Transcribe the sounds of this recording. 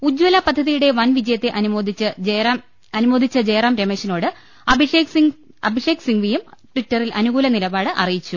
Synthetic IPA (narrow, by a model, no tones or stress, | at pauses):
ud͡ʑwɐlɐpɐd̪ʱːɐðijuɽe̞ʋɐnʋid͡ʑɐjɐt̪ːe̞ʔɐnumoːd̪ʱit͡ɕːɨeɐm | ɐnumo̞ːd̪ʱit͡ɕːɐd͡ʑe̞ːrɐːmɾemeɕɐno̞ːɽɨ | ɐbʱiʂesiŋ | ɐbʱiʂeːksiŋɡʋijɐmʈʋitːɐrilʔɐnuɣuːlɐnilɐbaːɽɨʔɐ̰rijit͡ɕːu